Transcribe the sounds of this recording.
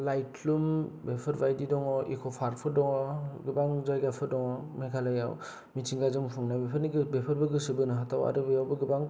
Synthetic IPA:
lajtʰlumbepʰɯɾbajdidɔŋɔʔḭkʰɔpʰaɾpʰɯɾdɔŋɔɡɯbaŋzajɡapʰɯɾdɔŋɔmekʰalaja̰w | mitʰiŋɡazɯŋpʰɯŋnajbepʰɯɾniɡɯbepʰɯɾbɯɡɯsɯbɯnɯɦatʰawa̰ɾɯbɯjawbɯɡɯbaŋ

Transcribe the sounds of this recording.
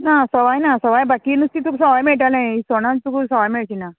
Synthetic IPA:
nasɔʋajnasɔʋajbakinust̪it̪ʰuksɔʋajmeɭʈ̬alnajisoɽ̃ãt̪uksɔʋajmeɭt͡ɕina

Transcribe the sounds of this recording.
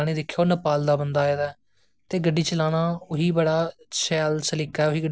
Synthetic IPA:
ɽ̃iːd̪ɪkʰːjoːnəpaːld̪aːbənd̪aːɛːd̪aː | t̪eːɡəɖːiːt͡ʃəlaːɽ̃aːʊɦiːbəɽaːʃɛːlsəlɪkaːɛːʊɦiːɡə

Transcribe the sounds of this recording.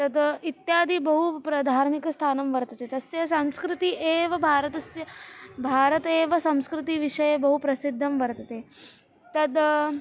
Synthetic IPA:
t̪ɐd̪it̪jaːd̪ʱiːbɐɦupɾɐd̪ʱaːɾmikɐst̪ʰaːnɐmʋɐɾt̪ɐt̪eːt̪ɐsjɐsɐ̃mskɾut̪iʔeːʋɐbʱaːɾət̪ɐsjbʱaːɾɐt̪eːʋɐsɐ̃m̃skɾut̪iʋiʂɐjebɐɦupɾɐsid̪ʱːɐmʋɐɾt̪ɐt̪eː | t̪ɐd̪

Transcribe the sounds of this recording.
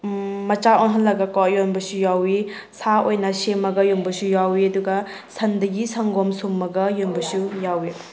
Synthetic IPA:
mɐt͡ʃaonɦɐnlɐɡɐkɔjonbɐsujawi | sʰaojnɐsemɐɡɐjonbɐsujawiɐduɡɐ | sʰɐndɐɡisɐŋɡomsumːɐɡɐjonbɐsujawi

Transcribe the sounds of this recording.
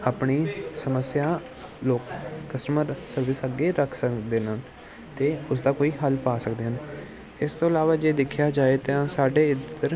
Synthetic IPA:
aːpɳiːsəməsɪjaː | loːkːəsʈəməɾsəɾʋɪsəɡeːɾəkʰsəkd̪eːnən | t̪eːʊs̬d̪aːkoːiːɦəlpaːsəkd̪eːɦən | ɪst̪õːɪlaːʋaːd͡ʒeːd̪ɪkʰjaːd͡ʒaːeːt̪ãsaːɖeːɪd̪əɾ

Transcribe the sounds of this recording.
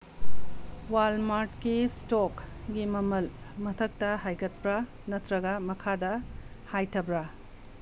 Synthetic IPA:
walmaɾtkistokɡimɐmɐlmɐtʰɐk̚tɐɦajɡɐt̚pɾɐ | nɐtɾɐɡɐmɐkʰadɐhajtʰɐbɾɐ

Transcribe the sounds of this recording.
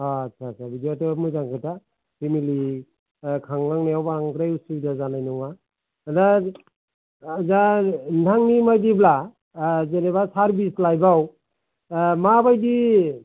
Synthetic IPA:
at͡ʃʰasʰabidiotɯmɯzaŋkʰɯta | pʰimili | kʰaŋlaŋnajawbaaŋtɾajusiidazanajnuŋa | da | zandʱaŋnimajdibla | zenebasaɾbislajbaw | mabajdi

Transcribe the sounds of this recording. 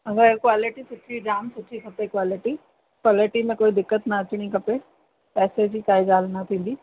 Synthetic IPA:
ɐɡəɾkwaːlɪʈisʊid͡ʒaːmsʊʈːʃikɐpekwaːlɪʈi | kwaːlɪʈimẽkoːid̪ɪkːət̪nɐɐt͡ɕɽ̃ikɐpe | pɛːsed͡ʑikaːid͡ʒaːlnɐt̪ʰĩːn̆d̪iː

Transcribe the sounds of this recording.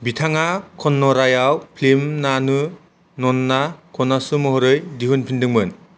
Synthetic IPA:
bitʰaŋakʰɔnːɔɾajawpʰlimnanɯ | nɔnːakʰɔnːasɯmɔɦɔɾɯjdiɦɯnpʰindɯŋmɯn

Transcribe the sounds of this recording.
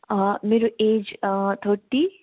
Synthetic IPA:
meːɾueːd͡ʒt̪ʰoːʈːi

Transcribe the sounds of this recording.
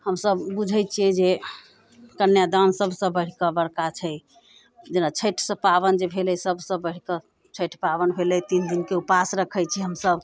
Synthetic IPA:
həmsəbbud͡ʒʱəjt͡ʃʰijɛd͡ʒe | kənjad̪ansəbʱsə̃bəɽ̤ikəbəɽkat͡ʃʰɛ | d͡ʒenat͡ʃʰəʈʰsə̃paβənd͡ʒebʱelɛsəbʱsə̃bəɽ̤ikə | t͡ʃʰəʈʰpaβənbʱelɛt̪ind̪inkeupasɾəkʰəjt͡ʃʰɛɦəmsəb

